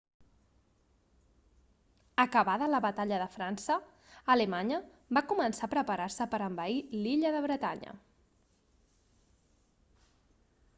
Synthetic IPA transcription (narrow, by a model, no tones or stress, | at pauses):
əkəβaðələβət̪aʎəðəfɾansəː | ləmaɲə | bakumənsapɾəpəɾarsəpəɾəmbəiliʎəðəβɾət̪a̰ɲə̰